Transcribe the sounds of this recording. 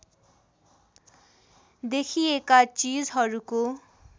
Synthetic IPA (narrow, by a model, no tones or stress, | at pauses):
d̪ekʰiekat͡sid͡zɦʌɾuko